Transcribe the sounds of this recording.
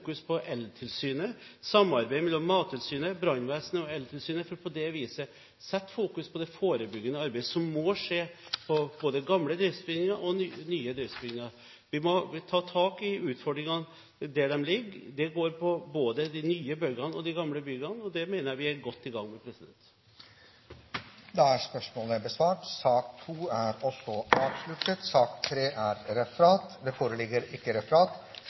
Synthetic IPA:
kʉspʰɔʔɛlt̪ʰɪlsyːnəsɑmːɑɾbæɪmɛlːɔmːɑːt̪ʰːɪlsyːnəbɾɑnʋæːsnəɔɛlt̪ʰɪlsyːnəfɔɾpʰɔd̪ɛʋiːsə | sɛt̪ːfuːkʉspʰɔd̪ɛfoːɾəbʏɡːənəɑɾbɛɪəsɔmːɔʂeːpʰɔb̥oːd̪əɡɑmləd̪ɾɪft̪sbɪnɪŋɑʔɔnːnyːəd̪ɾɪftsbɪnɪŋɑ | ʋɪmɔt̪ʰɑːt̪ʰɑːkɪʉːt̪fɔɖ̪ɾɪŋɑn | d̪æɖɛmlɪɡːd̪ɛɡoːɾpʰɔboːd̪əd̪ɪnyːəbœɡɑnɔd̪ɪɡɑmləbʏɡɑnɔd̪ɛmeːnəjæʋɪæɾɡɔt̪ːɪɡɑŋːmɛpʰɾɛsɪd̪ɛnt̪ | d̪ɛæspœʂmoːləbəsʋɑːʈsɑːk̚t̪ʰuːæɾɔsɔɑːʋʂlʉt̪ːət̪sɑːkt̪ʰɾeːʔæɾɾɛfəɾɑːt̪d̪ɛfoːɾəlɪɡːəɾɪkːəɾɛfəɾɑːt̪

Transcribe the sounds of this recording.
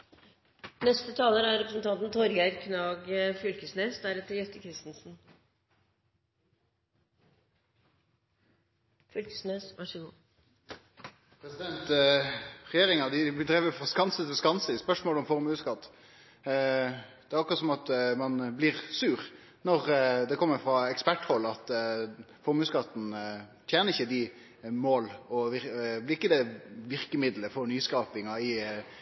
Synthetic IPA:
nɛst̪ət̪ʰɑːləɾæɾɾɛpɾəsənt̪ʰɑnt̪nt̪ʰɔɾɡæɾkʰnɑːɡfʏlkəsneːsd̪æɾɛt̪ːəɾjɛst̪əkʰɾɪst̪n̩sn̩ | fʏlkə̥sneːsʋʔɑ̰ʂəɡuː | pʰɾɛsɪd̪ɛnt̪ | ʁɛjeːʁɪŋɑd̪ɪd̪ʁɛʋəfʁɑskɑnsət̪ɪlskɑnsəspœʂmoːlɔmfɔʁmʉːskɑt̪ː | d̪̥ɛæɾɑkɾɑt̪sɔmɑt̪mɑnblɪɾsʉːɾ | nɔɾd̪ɛkʰɔmːəɾfɾɑɛkspæʈhɔlːɑt̪ | fɔɾmʉːskɑt̪n̩t̪ʰjeːnəɾɪçːəd̪ɪ | moːlɔʋɪblɪɾɪkːəd̪ɛʋɪʁkəmɪd̪ləfɔɾnyːskɑːpɪŋɑɪ

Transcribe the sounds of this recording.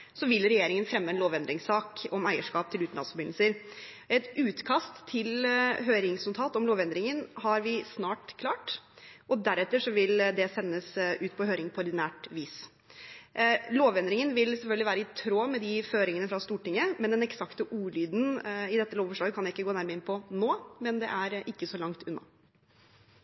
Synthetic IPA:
sɔʋɪlɾɛjeːɾɪŋənfɾɛmːəɛnloːʋɛnd̪ɾɪŋsɑːkɔmæɪəʂkɑːp̚t̪ʰɪlʉːt̪n̩ɑ̰sfɔɾbɪnl̩səɾ | ɛt̪ʉːt̪kʰɑst̪ʰːɪlɦøːɾɪŋsnʊt̪ʰɑːt̪ɔmloːʋɛnd̪ɾɪŋənɦɑɾʋɪsnɑːʈkʰlɑːʈɔd̪æɾɛt̪ːəʂɔʋɪld̪ɛsɛnːəsʉːt̪pʰɔɦøːɾɪŋpʰɔɔɾɖ̪ɪnæːʈʋiːs | loːʋɛnd̪ɾɪŋənʋɪlsɛlfœlɡ̪lʋæːɾəɪt̪ʰɾoːmɛd̪ɪføːɾɪŋənəfɾɑst̪uːʈɪŋːəmɛnd̪ɛnɛksɑkt̪əʔuːɭyːd̪n̩ɪd̪ɛt̪ːəloːʋfɔʂɭɑːɡəkʰɑnjæɪkːəɡoːnæɾməɾɪnpʰɔnoːmɛnd̪ɛ̰ʔæɾɪkːəsɔlɑŋt̪ʉnːɑ̰

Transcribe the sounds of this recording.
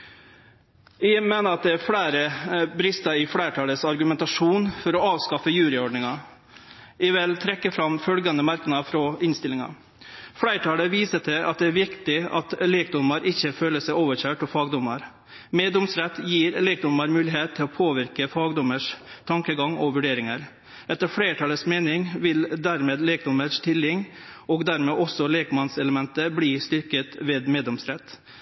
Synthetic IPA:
ʋɪmeːnəɾɑt̪̚d̪ɛæɾfɽæɪɾəbɾɪst̪ɑɪfɽæɪʈʰɑːləsɑɾɡʉmɛnt̪ɑʂuːnfɔɾɔɑːʋskɑfəjʉːɾɪɔɖɳɪŋɑ | ɪʋɪlt̪ʰɾɛkːəfɾɑmfœlɡɑnd̪əmɑɾknɑfɾɔɪnst̪ɪlːɪŋɑ̰ | fɽæɪʈʰɑːləʋiːsət̪ʰɪʔɑ̰t̪̚d̪ɛæɾʋɪkt̪ɪɑ̰t̪lɛːk̚d̪ɔmɑɾʔɪçːəføːləsæɪoːʋəçøːʈɔfɑːɡd̪ɔmɑɾ | meːd̪ɔmsɾɛt̪ːjiːɾleːk̚d̪ʊmɑɾmʉːlɪɦeːt̪ʰːɪlɔpʰoːʋɪɾkəfɑːɡd̪ɔməʂt̪ʰɑŋkəɡɑŋɔʋʉɖeːɾɪŋəɾ | ɛt̪ːəɾfɽeːʈʰɑləsmeːnɪŋʋɪld̪æɾmeːd̪leːk̚d̪ɔməʂt̪ʰɪlɪŋːɔɡd̪æɾmeːʔɔsɔleːkmɑnsɛləmɛnt̪əbliːst̪ʏɾkət̪ʋɛːd̪meːd̪ɔmsɾɛt̪ː

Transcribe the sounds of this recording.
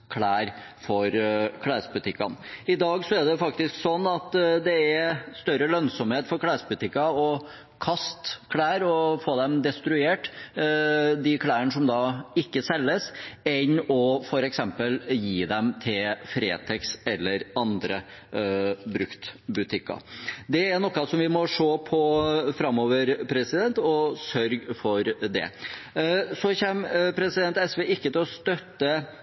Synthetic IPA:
kʰɽæːɾ | fɔɾkʰɽæːɾsbʉt̪ʰɪkːɑnɪd̪ɑːɡsɔæɖɛfɑk̚t̪ɪsksɔnːɑt̪d̪ɛæɾst̪œɾəlœnsɔmheːt̪fɔɾkʰɽæːsbʉt̪ʰɪkːɑɔ | kʰɑst̪kʰɽæːɾɔfoːd̪ɛmd̪ɛst̪ɾʉeːʈ | d̪ɪkʰɽæːəɳəʂɔmd̪ɑːɪkːəsɛlːəsɛnɔfɔɾɛksɛmpəljiːd̪ɛmt̪ʰɪlfɾḛːt̪ʰɛksɛlːəɾɑnd̪ɾə | bɾʉkt̪bʉt̪ʰɪkːɑ̰d̪ɛæɳɔkːɑsɔmʋɪmɔʂoːpʰɔfɾɑmoːʋəɾpʰɾɛsɪd̪ɛnt̪ɔsœɾɡfɔɾd̪ɛ̰ | sɔçɛːmpʰɾɛsɪd̪ɛnt̪ɛsʋeɪkːət̪ɪlɔst̪œt̪ːə

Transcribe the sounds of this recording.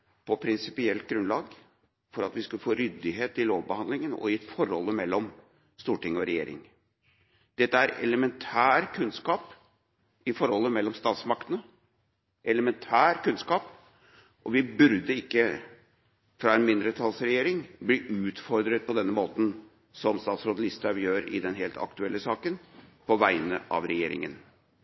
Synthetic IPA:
pʰɔpʰɾɪnsɪpɪɛlt̪̚ɡɾʉnlɑːɡ | fɔɾɑt̪ʋɪskʉlːəfoːɾʏd̪ːɪɦeːt̪ɪloːʋbəhɑnd̪lɪŋənɔ̰ɪfɔɾhɔ̰lːəmɛlːɔm | st̪uːʈɪŋːɔɾɛjḛːɾɪ̰ŋ | d̪̥ɛt̪ːəæɾɛ̰ləmɛnt̪ʰæːɾkʰʉnskɑːp | ɪfɔɾhɔlːəmɛlːɔmst̪ɑːt̪smɑkt̪ənə | ʔɛləmɛnt̪ʰæːɾkʉnskɑːp | ʔɔʋɪbʉɾd̪əɪkːə | fɾɑːɛnmɪnd̪ɾət̪ʰɑlsɾɛjeːɾɪŋbliːʔʉːt̪fɔɾd̪ɾət̪̚pʰɔd̪ɛnːəmoːt̪n̩ | sɔmst̪ɑːt̪sɾoːd̪əlɪst̪ɾɑʋjøːɾɪ̰d̪ɛnɦeːlt̪ʰɑ̰kt̪ʉɛlːəsɑːkənpʰɔʋæɪnə̰ʔɑ̰ʋɾɛjḛːɾɪ̰ŋə̰n

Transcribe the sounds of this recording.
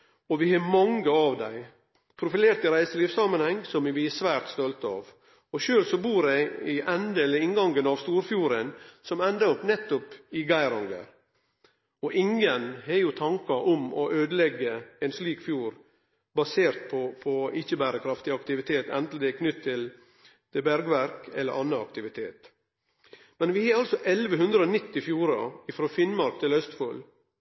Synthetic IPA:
ɔʋɪhɑmɑŋɡəɑʋd̪æɪ | pʰɾʊfɪleːɾt̪ɪɾæɪsəliːʋsɑmːənhɛŋːsɔmʋɪɛsʋæːɾt̪st̪ɔlt̪əɑ̰ːʋ | ɔʃøːlsɔbuːɾæɪʔɛnd̪eləɪŋɡɑŋɡənɑʋst̪uːɾfjuːɾənsɔmɛnd̪əɾɔpnɛt̪ːɔpɪɡæɪɾɑŋɡə̰ɾ | ɔʔɪŋənhɛjʊt̪ʰɑŋkɑʔɔmɔʔøːd̪əlɛɡːəɛnsliːkfjuːɾ | bɑseːɾt̪̚pʰɔpʰɔɪçəbæːɾəkʰɾɑft̪ɪɑkt̪ɪʋɪt̪ʰeːt̪ɛnt̪l̩d̪ɛkʰnʏt̪ʰːɪl | d̪ɛbæɾɡʋæɾkɛ̰lːəɾʔɑnːəɑk̚t̪ɪʋɪt̪ʰeːt̪ | mɛnʋɪheːɾɑlsɔʔɛlʋəɦʉnd̪ɾəoːnɪt̪ːɪfjuːɾɑ̰ɪfɾoːfɪnmɑɾkt̪ʰɪlœst̪fol

